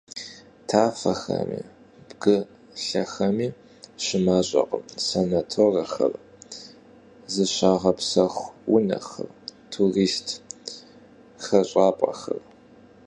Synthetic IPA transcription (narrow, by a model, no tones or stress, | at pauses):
tʰaːfɐxɐ̰mḭː | b̥ɡɨ | ɬɐxɐmiː | ɕɪmaːɕʼɐ̰qʼəmsɐnɐtʰoːrɐxɐ̰r | zɨɕaːʁɐpsɐχʷwʊnɐ̰xɐ̰rtʰuriːstʰ | xɐɕʼaːpʼɐ̰xɐr